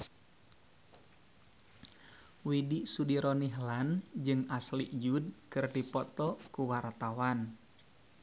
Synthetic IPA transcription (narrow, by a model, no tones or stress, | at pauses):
widiʔsudiɾɔniɦland͡ʒɨŋaslḭʔd͡ʒud̚kɨrdipɔt̪ɔkuwart̪awan